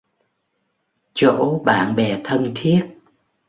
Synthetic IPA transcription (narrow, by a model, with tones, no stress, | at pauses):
t͡ɕo̰˧˥ɓaː˧˨nɓɛ˨˩t̪ʰə˧nt̪ʰi˦˥ət̚